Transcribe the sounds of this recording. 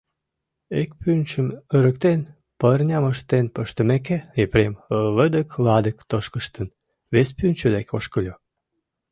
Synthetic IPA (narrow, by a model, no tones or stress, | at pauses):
ek̚pynʲt͡ɕəməɾəkt̪en | pərnʲɑməʃt̪enpəʃt̪ə̆mek̬eepremələd̪əklɑd̪əkt̪oʃkəʃt̪ən | βespynʲt͡ɕød̪ekoʃkəlʲo